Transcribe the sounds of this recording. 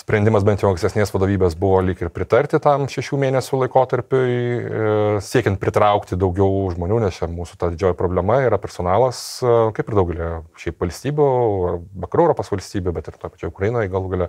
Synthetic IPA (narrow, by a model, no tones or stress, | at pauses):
sʲpʲɾʲɛnd̪ʲɪmɐsbʲɛnt̪jɛʊɐŋksʲt̪ʲɛsʲnʲeːsʋɐd̪oːʋʲiːbʲeːsbʊʋoːlʲɪkɪrpʲɾʲɪt̪ɐɾʲt̪ʲɪt̪ɐmʃʲɛʃʲuːmʲeːnʲɛsʲʊlˠɐɪkoːt̪ɐɾʲpʲʊj | sʲiɛkʲɛnt̪̚pʲɾʲɪt̪ɾɐʊkt̪ʲɪd̪ɐʊɡʲɛʊʒmoːnʲuːnʲɛst͡ʃʲɛmuːsʊ̥t̪ɐdʲɪd͡ʒʲoːjɛpɾoːbʲlʲɛmɐiːɾɐpʲɛɾsoːnɑːlˠɐskɐɪpɪrd̪ɐʊɡʲɛlʲiʃʲɛɪpʋɐlʲsʲt̪ʲiːbʲʊɐbɐkɾuɛʊɾoːpoːsʋɐlʲsʲt̪ʲiːbʲʊbʲɛt̪ɪrt̪oːjpɐt͡ʃoːjʊkɾɐjɪnoːjɡɐlˠuːɡɐlʲɛ